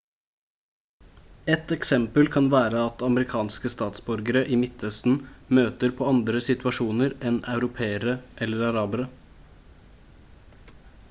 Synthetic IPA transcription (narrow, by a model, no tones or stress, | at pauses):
ɛt̪ɛksɛmpəlkʰɑnʋæːɾəɑt̪ɑməɾɪkʰɑːnskəst̪ɑːt̪sbɔɾɡəɾəʔiːmɪt̪œst̪n̩møːt̪əɾpʰoːɑnd̪ɾəsɪt̪ʉɑʂuːnəɾɛnɑʉɾʊpʰeːəɾəʔɛlːəɾɑɾɑːbəɾə